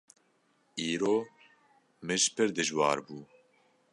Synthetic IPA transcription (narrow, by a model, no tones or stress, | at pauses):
iːɾoː | mɨʒpɨɾd̪ɨʒwɑ̰ːɾbuː